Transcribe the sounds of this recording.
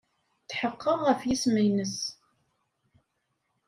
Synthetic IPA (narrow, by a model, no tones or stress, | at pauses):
θħəqːəʁʁəfjisməjnəs